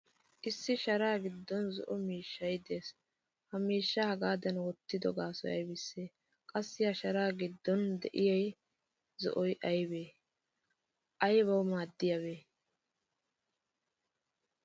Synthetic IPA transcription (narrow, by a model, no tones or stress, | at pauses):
ʔɪsːɪʃɐɾaːɡɪd̪ːɔnzɔ̰ʔɔmiːʃːɐjd̪e̞ːs | hɐmiːʃːɐhɐɡaːd̪ɐnwɔt̪ːɪd̪ɔ̰ɡaːsɔjɐ̰jbɪsːeː | kʼɐsːɪjɐʃɐɾaːɡɪd̪ːɔnd̪ɛʔɪjɐj | zɔ̰ʔɔjʔɐjbeː | ʔɐjbɐwmaːd̪ːɪjɐβeː